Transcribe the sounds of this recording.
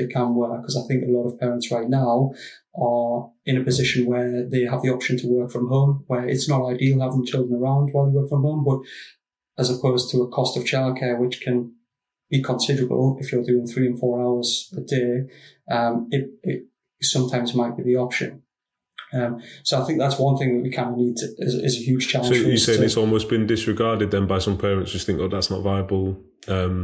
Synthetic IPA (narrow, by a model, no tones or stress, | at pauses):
eɪkʰə̃nwəkʰʌzaɪθɪ̃ŋkəlɔɾəv̥pʰɛːɹə̃ntsɹaɪʔⁿnaʊʔə | ɪ̃ñəpɨzɪʃə̃nwəðeɪəvðiɒpʃə̃ntʰəwɜˑ˞kfɹə̃mɦõʊ̃mwəɹɪtsnəʊɾaɪdilˠhavɪ̃ŋt͡ʃʰɪlˠdɹə̃nəɹãʊ̃nd̚waɪlˠəwɜˑ˞kfɹə̃mɦõmbʌɾ | əzəpʰoʊz̥tʰəːkʰɒstəv̥t͡ʃʰaɪlˠd̚kʰɛːwɪt͡ʃkʰə̃n | b̥ikʰə̃nsɪdəɹəbə̰lˠɪfjə˞dʉɪ̃ŋθɹiːə̃nfɔːɹaʊəz̥ədeɪʔʌ̃mɪt̚ɪ | sʊ̃mtʰãɪ̃mzmaɪʔ̚b̥iðiɒpʃə̰̃n | ʌ̃msoʊaɪθɪ̃ŋk̚ðatswʌ̃nθɪ̃ŋðəʔwikʰãɪ̃ndəvniːdʰɪzɪzəhjʉːd̥ʒ̥t͡ʃʰaləsojəseɪ̃nɪsɔːlˠmoʊsb̥ɪ̃ndɪsɹɪɡɑːdɪd̪̚ðə̃nbaɪsʌ̃mpʰɛːɹə̃nsd͡ʒ̥ʌsθɪ̃ŋkðəðatsnə̰ʔvaɪəbəlˠ | ʌ̃m